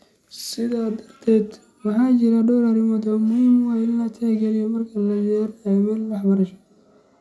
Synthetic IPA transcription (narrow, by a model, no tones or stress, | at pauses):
sɪðaːd̪ɐrt̪ʰɛːd̪ | wɑħɑːt͡ʃɪɾɐɖɔwɾɐɾɪmɐd̪ɔmʊhiːmwɑjɪnlɐt̪ʰɛːɡɛlɪjɔmɐrkʰɐlɐjɛɾmɛːllɑħbɐɾɐʃɔ̥